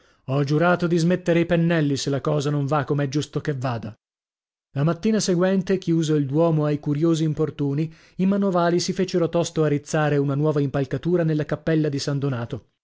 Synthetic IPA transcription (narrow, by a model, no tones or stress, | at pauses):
ɔd͡ʒuɾaːt̪od̪izmet̪ːeɾeipenːɛlːiselːakɔːzanõɱvakːomeɛd͡ʒust̪okevːaːd̪a | lamat̪ːiːnaseɡwɛnt̪ekjuːzoild̪wɔːmoajkuɾjoːziːmport̪uːni | imanovaːlisifeːt͡ʃeɾot̪ɔst̪oarːit̪sːaːɾeunanwɔːvaimpalkat̪uːɾanelːakapːɛlːad̪isand̪onaːt̪o